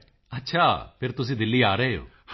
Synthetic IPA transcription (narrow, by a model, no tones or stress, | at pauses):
ətːʃʰaːpʰɪɾt̪ʊs̬ĩːd̪ɪlːiːaːɾəɦeːo̰ː | h